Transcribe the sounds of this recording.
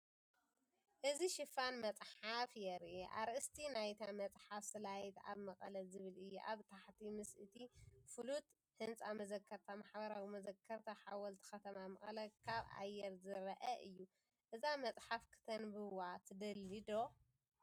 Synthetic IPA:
ʔɨziʃɪfanmɐt͡sʼħafjɛɾiʔa̰ɾʔɨst̪ʰinajt̪ʰamɐt͡sʼħafsɨlajt̪a̰βmɐxʼɐlɐzɨβɨlɨjːuʔa̰βt̪ʰaħt̪ʰimɨsʔɨt̪ʰifɨlut̪ | hɨnt͡sʼamɐzɐkʰːɐɾt̪ʰamaħbɐɾawimɐzɐkʰːɐɾt̪ʰaħawɔlt̪ʰi̥xɐt̪ʰɐmamɐχʼɐlɐkʰaβʔa̰jːɛɾzɨɾɐʔɐʔɨjːu | ʔɨzamɐt͡sʼħafkʰɨ̥t̪ʰɐnbɨwat̪ʰɨd̪ɐlːid̪o

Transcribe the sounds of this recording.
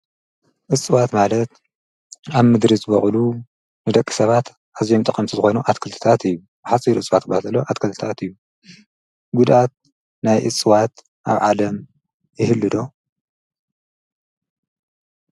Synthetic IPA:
ʔɨt͡sʼɨwat̪malɐt̪ | aβmɨd̪ɾizɨβɐχʼlu | nɨd̪ɐkʼːɨ̥sɐβat̪ | ʔazijomt̪ʼɨkʼɐmt̪ʰizɨxo̞jnuʔat̪kʰɨlt̪ʰɨ̥t̪ʰat̪ɨjːu | bɨħasʼiɾʔɨt͡sʼɨwat̪ːɨbat̪ʰɐloʔat̪kʰɐlt̪ʰɨ̥t̪ʰat̪ɨjːu | ɡud̪at̪̚ | najʔɨ̰t͡sʼːɨwat̪ | ʔa̰βʕalɐm | jɪhɨlːɨd̪o̞

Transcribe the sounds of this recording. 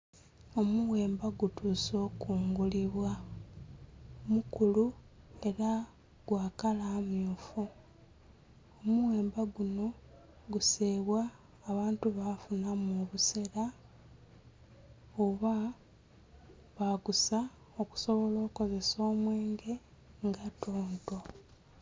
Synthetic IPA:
o̞muwe̞ːmbaɡutuːso̞ːkuːŋɡuliβwa | omukulue̞ɾa | ɡwaːkalaːmjuːfu | omuwe̞ːmbaɡuno̞ | ɡuseːβwaː | βaːntuβafunamuβuseɾa | oβa | βaɡusa | oku̥so̞βo̞lo̞ːko̞ze̞so̞ːmwe̞ːŋɡe̞ | ŋɡatoːnto̞

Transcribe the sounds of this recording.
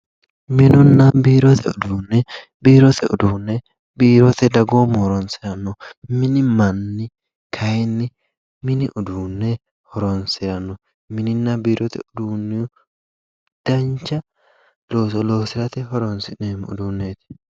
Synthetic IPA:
mɪnʊnːɐbiːɾɔt̪ʰɛʊd̪uːnːɛ | biːɾɔt̪ʰɛʊd̪uːnːɛ | biːɾɔt̪ɛd̪ɐɡoːmhɔɾɔnsɪɾɐnːɔmɪnɪmɐnːɪ | kʰɐjɛnːɪ | mɪnɪʔʊd̪uːnːɛ | hɔɾɔnsɪɾɐnːɔ | mɪnɪnːɐbiːɾʔɔt̪ɛ̰ʊd̪uːnːɛj | d̪̥ɐnt͡ʃːɐ | loːsɔloːsɪɾɐt̪ɛhɔɾɔnsɪnemʊ̰d̪uːnːeːt̪ɪ̥

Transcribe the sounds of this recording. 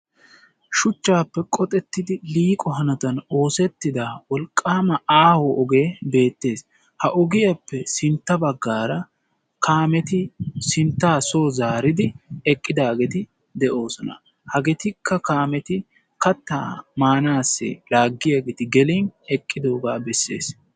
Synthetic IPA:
ʃʊt͡ʃːaːpːɛkʼɔt̪ʼɛt̪ːɪd̪ɪliːkʼɔɦɐnɐt̪ɐno̞ːsɛt̪ːɪd̪ɐwɔlkʼːaːmɐaːwɔʔɔɡe̞ːbe̞ːt̪ːe̞ːs | hɐʔɔɡɪjɐpːɛsɪnt̪ːɐbɐɡːaːɾɐ | kʰaːmɛt̪ɪsɪnt̪ːaːsoːzaːɾɪd̪ɪɛkʼːɪd̪aːɡɛt̪ɪ | d̪ɛʔo̞ːsɔnɐ̰ | hɐɡɛt̪ɪkʰːɐkaːmɛt̪ɪ | kɐt̪ːa̰ːmaːnaːsːɛ̰laːɡːɪjaɡɛt̪ɪɡɛlinɛkʼːɪd̪o̞ːɡaːbɛsːe̞̰ːs

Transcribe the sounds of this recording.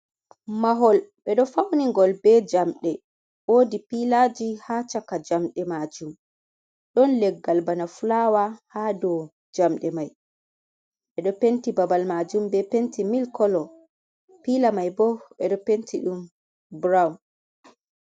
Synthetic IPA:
maɦɔlɓɛɗɔfawniŋɡɔlbɛd͡ʒamɗɛ | wodipilad͡ʒihat͡ʃakad͡ʒamɗɛmad͡ʒum | ɗɔnlɛɡːalbanafulawahadɔ | d͡ʒamɗɛmaj | ɓɛɗɔpentibabalmad͡ʒumbɛpentimilkɔlɔ | pilamajbɔɓɛɗɔpentʰiɗum | bɾawn

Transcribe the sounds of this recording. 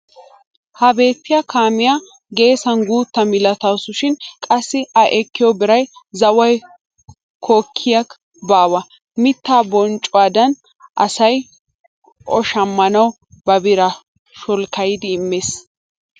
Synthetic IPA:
hɐbe̞ːt̪ːɪjakaːmɪja | ɡe̞ːsɐnɡuːt̪ːɐmɪlɐt̪ɐwsʊʃɪnkʼɐsːɪɐʔɛkːɪjɔbɪɾɐjzɐwɐj | kʰoːkʰːɪjɐk | baːwɐ | mɪt̪ːaːbɔnt͡ʃʼːʊwaːd̪ɐn | ʔɐsɐj | ʔɔʃɐmːɐnɐw | bɐbɪɾɐ | ʃɔlkɐjɪd̪ɪːmːeːs

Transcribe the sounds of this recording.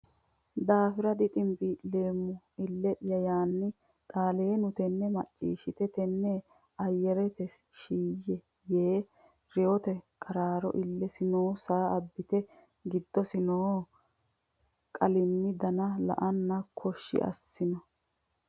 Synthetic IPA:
d̪aːfɪɾɐd̪ɪt̪ʼɪmbɪleːmːʊ | ɪlːɛʔɪjɐjaːnːɪ | t̪ʼaːleːnʊt̪ɛnːɛmɐt͡ʃʼːḭːʃɪt̪ɛt̪ɛnːɛ | ɐjːɛɾɛt̪ɛs | ʃiːjːɛ | jeː | ɾɛɔt̪ɛkʼɐɾaːɾɔ̰ʔɪlːɛsɪnoːsaːɐbːɪt̪ɛ | ɡɪd̪ːɔsɪnoː | kʼɐlɪmːɪd̪ɐnɐlɐ̰ʔɐnːɐkʰɔʃːɪ̰ʔɐ̰sːɪnɔ

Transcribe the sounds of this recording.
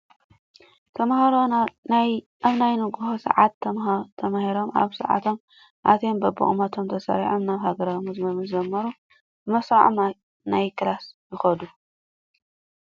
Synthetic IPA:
t̪ʰɐmhɐɾoj | ʔaβnajnɨɡuhosɐ̰ʕat̪ːɐmt̪ʰɐmahiɾo̞ma̰βsɐ̰ʕa̰t̪ʰo̞m | ʔa̰t̪ʰembɐbɨ̰χʼmat̪ʰo̞mt̪ʰɐsɐ̰ɾiʕomnaβhaɡɐɾawmɨzmɐβɨd͡ʒɐmːɐɾu | bɨmɐsaʕma | najkɾasjɪxɐd̪u

